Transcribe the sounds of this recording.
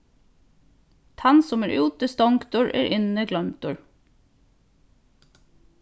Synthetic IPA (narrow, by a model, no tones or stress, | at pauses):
t̪ʰɑnsɔmæːɹʔʉːt̪əst̪ɔŋkt̪ʊɹʔḛːɾʔɪnəɡlœmt̪ʊɹ